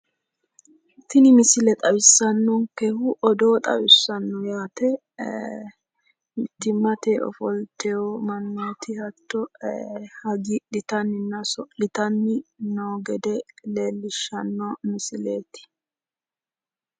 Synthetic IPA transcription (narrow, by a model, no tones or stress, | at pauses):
t̪ːɪnɪmɪsɪlɛt̪ʼɐwɪsːɐnːɔŋkɛhʊʔɔd̪oːt̪ʼɐ̰wɪsːɐnːɔjaːt̪ɛ | mɪt̪ːɪmːɐt̪eːɔ̰fɔlt̪ɛjomɐnːoːt̪ɪhɐt̪ːɔ | hɐɡiɗɪt̪ɐnːɪnːɐsɔɗɪt̪ɐnːɪnoːɡɛd̪ɛleːlːɪʃːɐnːɔmɪsɪleːt̪ɪ̥